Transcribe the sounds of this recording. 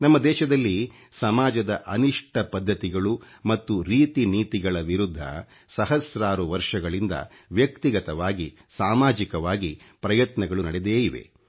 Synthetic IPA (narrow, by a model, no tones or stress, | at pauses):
nɐmːɐd̪ɛːʃɐd̪ɐlːi | sɐmaːd͡ʒɐd̪ɐʔɐniʂʈɐpɐd̪ʱːɐt̪iɡɐɭu | mɐt̪ːuɾiːt̪iniːt̪iɡɐɭɐʋiɾud̪ʱːɐ̰ | sɐɦɐsɾaːɾuʋɐɾʂɐɡɐɭind̪ɐ̰ | ʋjɐkt̪iɡɐt̪ɐʋaːɡi | saːmaːd͡ʒikɐʋaːɡi | pɾɐjɐt̪nɐɡɐɭunɐɽɛd̪eːjiʋe̞̰